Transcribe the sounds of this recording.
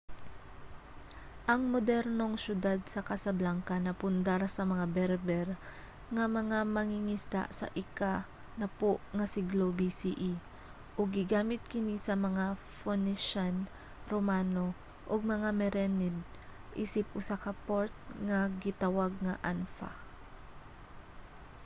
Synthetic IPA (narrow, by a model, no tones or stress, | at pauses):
ʔɐŋmod̪ɛɾno̞ŋʃjʊd̪ad̪̚sɐkɐsɐblaŋkɐnɐpʊnd̪aɾasɐmɐŋabɛɾbɛɾ | ŋɐmɐŋamɐŋɪŋɪst̪a̰ʔsɐ̰ʔɪka | nɐpoʔŋɐsɪɡlobisiʔi | ʔʊɡ̚ːɪɡaːmɪt̪̚kɪnisɐmɐŋa | fonɪʃan | ɾomaːno | ʔoɡ̚mɐŋamɛɾɛnɛd̪̚ | ʔḭːsɪpʔʊsakɐpoɾt̪̚ŋɐɡɪt̪awaɡ̚ŋɐʔanfa̰